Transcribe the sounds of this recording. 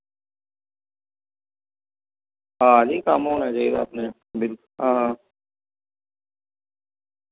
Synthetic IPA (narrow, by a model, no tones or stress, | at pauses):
ɦãːd͡ʒikamɦoːñaːt͡ʃaːiːɡaːpnea | bɪlkʊɦãːɦã